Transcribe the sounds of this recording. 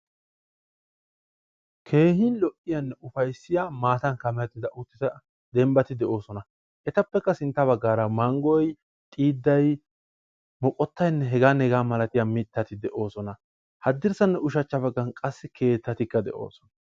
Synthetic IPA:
kʰe̞ːhɪnlɔʔɪjɐnːɛʊfɐjsːɪjaːmaːt̪ɐnkɐmɛjɐt̪ːɪd̪ɐʔʊt̪ːɪt̪ɐ | d̪ɛmbɐt̪ɪd̪ɛʔo̞ːsɔnɐ | ʔɛt̪ɐpːɛkːɐsɪnt̪ːɐβɐɡːaːɾɐmɐŋɡɔj | t̪ʼiːd̪ːɐj | mɔkʼɔt̪ːɐjnːɛɦɛɡaːnɛɡaːmɐlɐt̪ɪjamɪt̪ːɐt̪ɪd̪ɛʔo̞ːsɔnɐ | hɐd̪ːɪɾsɐnːɛʊʃɐt͡ʃːɐbɐɡːɐnkʼɐsːɪkʰe̞ːt̪ːɐt̪ɪkːɐd̪ɛ̰ʔo̞̰ːsɔ̥nɐ̥

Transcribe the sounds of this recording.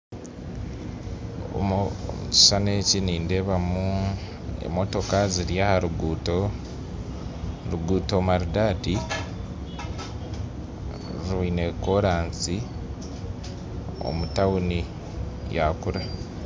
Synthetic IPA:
muci̥sane̞ciniːndeːβamu | ḛmo̞to̞kaziɾjahaɾuɡuto | ɾuɡuːto̞maɾudadi | ɾuineko̞ɾaːnsi | o̰mutawuni | jakuɾa

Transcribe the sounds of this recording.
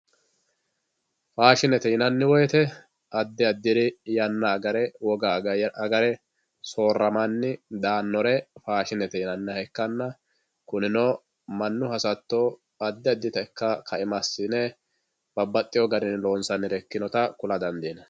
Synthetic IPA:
faːʃɪnɛt̪ɛɪnɐnːɪwɔjɛt̪ɛ | ɐd̪ːɪɐd̪ːɪɾɪjɐnːɐɡɐɾɛwɔɡɐɐɡɐɾɛ | so̞ːrːɐmɐnːɪd̪aːnːɔɾɛfaːʃɪnɛt̪ɛɪnɐnːɛhɛkːɐnːɐ | kʊnɪno | mɐnːʊhɐsɐt̪ːo | ɐd̪ːɪɐd̪ːɪt̪ɐkːɐkʰɐʔɪmɐsːɪnɛ | b̥ɐbːɐt̪ʼːɪjɔɡɐɾɪnlo̞ːnsɐnːɪɾɛkːɪnɔt̪ɐkʊlɐd̪ɐnd̪iːnɐ

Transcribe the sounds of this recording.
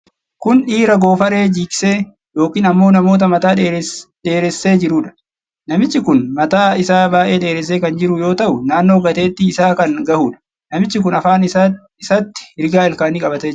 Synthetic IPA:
kʊnᶑiːɾɐɡo̞ːfɐɾe̞ːd͡ʒiːkʼɪ̥se̞ː | jo̞ːkiːnɐmːo̞ːnɐmoːt̪̬ɐmɐt̪aːeᶑe̞ːɾɛsːe̞ːd͡ʒɪɾuːᶑɐ̥ | nɐmɪt͡ʃːɪkʊnmɐt̪aːɪsaːbaːʔe̞ːᶑe̞ːɾɛs̬eːkɐnd͡ʒɪɾʊjo̞ːt̪ɐʔʊnaːnːoːɡɐt̪e̞ːt̪ːɪːsaːkɐŋɡɐhuːᶑɐ̥ | nɐmɪt͡ʃːɪkʊnɐfaːn | ɪsɐt̪ːɪ̥ɪɾɪɡaːɪlkaːniːkʼɐbɐt̪eː

